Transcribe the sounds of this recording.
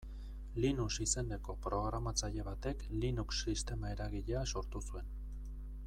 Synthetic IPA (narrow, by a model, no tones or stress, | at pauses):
linusise̞nd̪e̞ko̞pɾo̞ɣɾamat͡saʎe̞βat̪e̞klinuksːist̪e̞mae̞ɾaɣ̞iʎe̞aso̞ɾt̪usue̞n